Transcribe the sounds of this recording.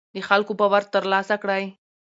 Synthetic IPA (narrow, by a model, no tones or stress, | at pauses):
d̪exalkopəwaɾt̪ːəɾlɑsakɽaj